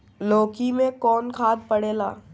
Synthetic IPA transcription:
loːkimẽkɔːnkʰaːd̪̚pɐɽeːlaː

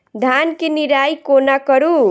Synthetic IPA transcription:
d̪ʱankeniɾajkonakʌɾu

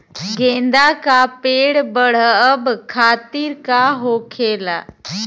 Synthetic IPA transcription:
ɡẽːnd̪akapeːɽbəɽ̤əəbkʰaːt̪iɾkaɦoːkʰeːla̰ː

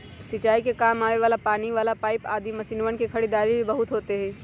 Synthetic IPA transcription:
sɪt͡ʃaːikekaːmaːʋeʋaːlapaːniʋaːlapaːɪpaːd̪imɐsiːnʋənkikʰɐɽid̪aːɾibʱibɐɦʊt̪ɦoːt̪eɦɛ̃ː

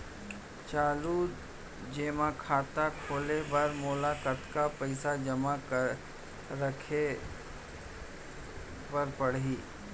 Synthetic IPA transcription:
t͡ʃaːluː | d͡ʒeːmãkʰaːt̪akʰoːlebɐɾmoːlakət̪kapɐɪsad͡ʒɐmak | ɾəkʰe | pɐɾpɐɽiː

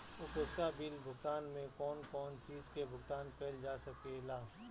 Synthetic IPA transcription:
ʊkʊst̪abilbʱʊkt̪aːnmẽkɔːnkɔːnt͡ʃiːzkebʊɡt̪aːnpɛld͡ʒaːsɐkelaː

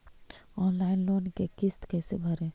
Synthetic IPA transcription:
ɔnlaɪnlonkekist̪kɛːsebʱəɾɛ

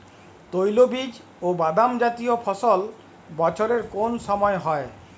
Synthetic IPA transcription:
t̪ojlobid͡ʒ | obad̪amd͡ʒat̪iopʰɔsɔl | bɔt͡ʃʰoɾeɾkonsɔmɔeɦɔe

